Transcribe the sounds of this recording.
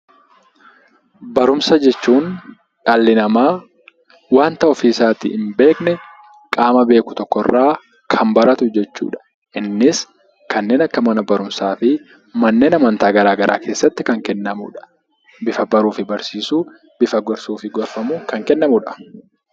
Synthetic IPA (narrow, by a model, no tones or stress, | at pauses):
bɐɾʊmsɐd͡ʒɛt͡ʃːuːn | ᶑalːɪnɐmaː | waːnt̪ɐɔfiːsaːt̪ɪ̰ɪmbe̞ːknɛ | kʼaːmɐbe̞ːkʊ̥t̪ɔkːɔrːaː | kʰɐmbɐɾɐt̪ʊd͡ʒɛt͡ʃːṵːᶑɐ̥ | ʔɪnːɪs | kɐnːe̞ːnɐkːɐmɐnɐbɐɾʊmsaːfɪ | mɐnːeːnɐmɐnt̪aːɡɐɾaːɡɐɾʔa̰ːkʰe̞ːsːɐt̪ːɪkɐŋkɛnːɐmʊ̰ᶑɐ̥ | bɪfɐbɐɾuːfɪbɐɾsiːsuː | b̥ɪfɐɡɔɾsuːfɪɡɔɾfɐmʊkɐŋkɛnːɐmʊᶑɐ̥